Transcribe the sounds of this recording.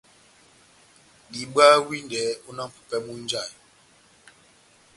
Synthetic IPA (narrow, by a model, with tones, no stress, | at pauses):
ɡi˨ɓa˦wi˦ndɛ˨˦u˦na˦˨pu̥˨pɛ˦mu˦n˦d͡ʒa˦˨j